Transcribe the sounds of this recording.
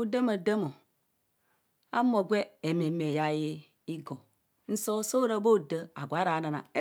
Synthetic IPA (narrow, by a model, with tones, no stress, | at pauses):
o˦de˦mo˨də˦mo˨ | a̰˦mo˨ɡʷe˦e˨me˨me˨ja˦je˦ | i˦ɡo˨ | n̩˦so˦so˦ɾa˦bo˦˨də˨a̰˨ɡʷa˨˦ɾa˨˦na˨na̰˨e˦